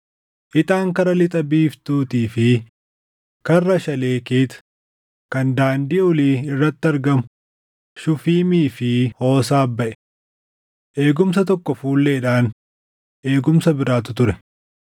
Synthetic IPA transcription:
ʔɪt̪aːŋkɐɾɐlɪt̪ʼɐbiːft̪uːt̪iːfɪ | kɐrːɐʃɐle̞ːkeːt̪ | kɐnd̪aːnd̪ɪʔɔliːɪrːɐt̪ːɐɾɡɐmʊ | ʃʊfiːmiːfɪho̞ːsaːbːɐʔɛ̥ | ʔe̞ːɡʊmsɐt̪ɔkːɔfuːlːeːɪᶑaːn | ʔe̞ːɡʊmsɐbɪɾaːt̪ʊt̪ʊɾɛ

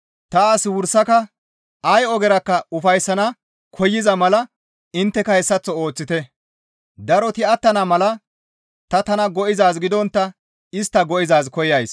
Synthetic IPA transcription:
t̪ɐaːsɪwʊɾsɐkɐ | ʔɐjɔɡɛɾɐkːɐʊfɐjsːɐnɐ | kʰɔjːɪzɐmɐlɐ | ɪnt̪ːɛkɐhɛsːɐt͡sːɔo̞ːt͡sːɪt̪ɛ | d̪ɐɾɔt̪ɪɐt̪ːɐnɐmɐlɐ | t̪ɐt̪ɐnɐɡɔʔɪzaːzɡɪd̪ɔnt̪ːɐ | ɪst̪ːɐɡɔʔɪzaːzkɔjɐjs

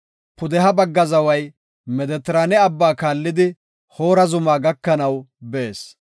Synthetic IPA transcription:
pʊd̪ɛɦɐbɐɡːɐzɐwɐj | mɛd̪ɛt̪ɾanɛɐbːaːkaːlːɪd̪ɪ | ho̞ːɾɐzʊmaːɡɐkːɐnɐwbeːs

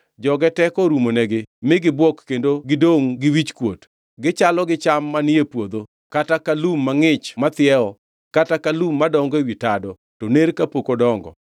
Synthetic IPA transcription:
d͡ʒɔɡɛtɛkɔɾumonɛɡɪmɪɡɪbwɔkkendoɡɪdoŋɡɪwit͡ʃkwo̰t | ɡɪt͡ʃalɔɡɪt͡ʃamːanɪepwod̪o | katakalumːaŋɪt͡ʃmat̪ɪjɛɔ | katakalumːadɔŋɡewitadɔ | toneɾkapokodɔŋɡɔ̰

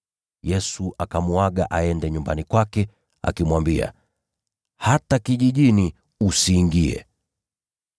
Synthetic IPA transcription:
jɛsuʔakamuwaɠaʔaɛndɛɲumbanikwakɛ | a̰kimwambia̰ | hatakiʄiʄini | usiːŋɡiɛ̰

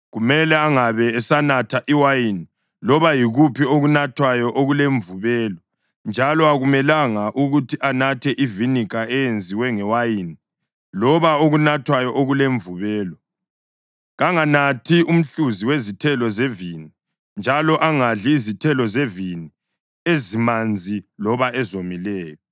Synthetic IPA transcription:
ɣumɛlɛaŋaβɛɛsanatʰaʔiwajini | lɔβajiɣupʰioɣunatʰwajɔʔoɣuleɱvuβɛːlɔ | nd͡ʒʱalɔaɣumɛlaŋaʔuɣutʰiʔanatʰɛʔivinikʰaɛjend͡zʱiwɛŋɛwajini | lɔβaoɣunatʰwajɔʔoɣuleɱvuβɛːlɔ | ɣaŋanatʰium̩ɬuziwezitʰɛlɔzevini | nd͡ʒʱalɔʔaŋaɮiːzitʰɛlɔzevini | ezimand͡zʱilɔβaʔɛzomilɛːjɔ

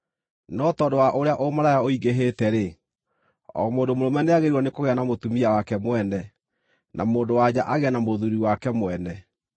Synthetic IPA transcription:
nɔtɔːdowaʔoɾeaʔomaɾajaoiɡeɦetɛɾe | ɔ̰moːndomoɾomɛneaɣeɾɔnekoɣɛanamotumiawakɛmwɛnɛ | nʔa̰moːndowad͡ʑaʔaɣɛanamoðuɾiwakɛmwɛnɛ

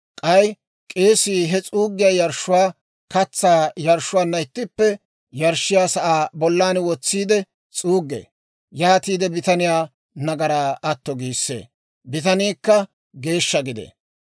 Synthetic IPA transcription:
kʼɐj | kʼe̞ːsiːɦɛt͡sʼuːɡːɪjaːjɐɾʃːʊwaː | kɐt͡sːaːjɐɾʃʊwaːnːɐɪt̪ːɪpːɛ | jɐɾʃːɪjaːsɐʔaːbɔlːaːnwɔt͡sːiːd̪ɛ | t͡sʼuːɡːḛː | jaːt̪iːd̪ɛbɪt̪ɐnɪjaː | nɐɡɐɾaːɐt̪ːɔɡiːsːḛː | bɪt̪ɐniːkːɐ | ɡe̞ːʃːɐɡɪd̪ḛ

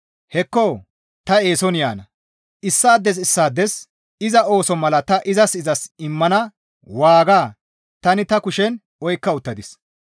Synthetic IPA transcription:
hɛkːɔː | t̪ɐe̞ːsɔnɪjaːnɐ | ʔɪsːaːd̪ːɛs̬ɪsːaːd̪ːɛs | ɪzɐo̞ːsɔmɐlɐt̪ɐʔɪzɐsɪzɐsɪmːɐnɐ | waːɡaː | t̪ɐnɪt̪ɐkʊʃɛn | ɔjkːɐʊt̪ːɐd̪ɪs

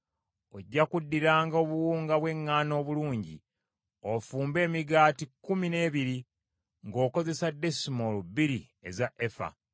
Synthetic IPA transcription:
oɟːakudːiɾaːŋɡaoːβuwuːŋɡaβwe̞ŋːaːno̞ːβuluːɲɟḭ | ofuːmbe̞ːmiɡaːtikːumine̞ːβiɾi | ŋɡo̞ːko̞ze̞sade̞simolubiɾi | ezaʔefa̰

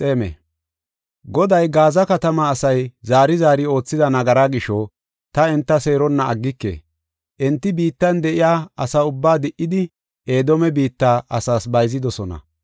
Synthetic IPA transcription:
sʼe̞ːmḛ | ɡɔd̪ɐjɡaːzɐkɐt̪ɐmɐːsɐjzaːɾɪzaːɾɪo̞ːt͡sːɪd̪ɐnɐɡɐɾaːɡɪʃɔ | t̪ɐɛnt̪ːɐse̞ːɾɔnːɐɐɡːɪkːḛː | ʔɛnt̪ːɪbiːt̪ːɐnd̪ɛʔɪjaːɐsaʊbːaːd̪ɪʔːɪd̪ɪ | eːd̪ɔmɛbiːt̪ːaːʔɐsaːsbɐjzɪd̪ɔsɔnɐ̰

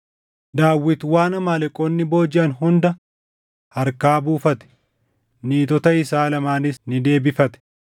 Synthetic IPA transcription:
d̪aːwːɪt̪waːnɐmaːlɛkʼonːɪbo̞ːd͡ʒɪʔɐnɦʊnd̪ɐ | hɐɾkaːbuːfɐt̪ɛ̥ | niːt̪ɔt̪ɐɪsaːlɐmaːnɪsnɪd̪e̞ːbɪfɐt̪ɛ̥

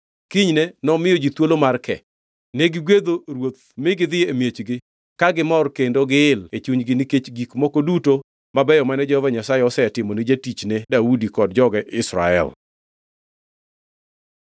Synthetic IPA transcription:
kiɲnɛnɔmɪjɔd͡ʒit̪wolomarkɛ̰ | neɡɪɡwed̪oɾwot̪̚ | mɪɡɪd̪ɪemjet͡ʃɡɪ | kaɡɪmɔrkendoɡɪlet͡ʃuɲɡɪniket͡ʃɡikmokoduto | mabɛjɔmanɛd͡ʒɔɔvaɲasajɛɔsɛtɪmɔnid͡ʒatit͡ʃnedaudikɔd̚d͡ʒɔɡɛʔɪsɾa̰ɛ̰l

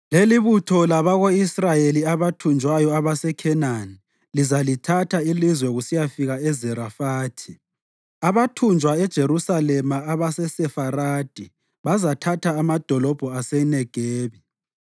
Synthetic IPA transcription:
leliβutʰɔlaβaɣoisrajeliaβatʰund͡ʒʱwajɔaβasɛkʰɛnani | lizalitʰatʰailizwɛɣusijafiɣaɛzɛɾafaːtʰi | aβatʰund͡ʒʱwaɛd̥ʒ̥ʱeɾusalɛmaːβasɛsɛfaɾaːd̥ʱi | βazatʰatʰaːmad̥ʱɔlɔb̥ʱɔasɛnɛɡ̥ʱeːβi

